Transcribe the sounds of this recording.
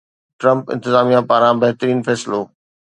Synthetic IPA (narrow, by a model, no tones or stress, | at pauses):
ʈɾɐ̃mpɪ̰̃nt̪ɪzaːmijãpaːɾãbɐɦɪt̪əɾiːnfɛːsɪloː